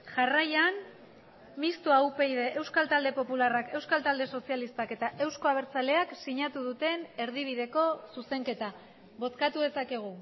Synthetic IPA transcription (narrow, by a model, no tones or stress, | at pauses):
ʝarajan | mist̪uaupe̞iðe̞ʔewskalt̪ald̪e̞po̞pularake̞wskalt̪ald̪e̞so̞sialist̪ake̞t̪aʔe̞wsko̞aβ̞e̞ɾt͡sale̞aksiɲat̪uðut̪e̞ne̞ɾðiβ̞iðe̞ko̞suse̞ŋke̞t̪a | βo̞t͡skat̪uðe̞sake̞ɣ̞u